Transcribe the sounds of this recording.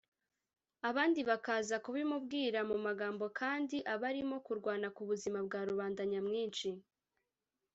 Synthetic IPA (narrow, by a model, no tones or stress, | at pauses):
aβaːndiβakaːzakuβimubɡiːɾamumaɡaːmbo̞kʰaːndiʔaβaɾimo̞kuɾɡwaːnakuβuzimab̚ɡaːɾuβaːndaɲamŋiːnʃi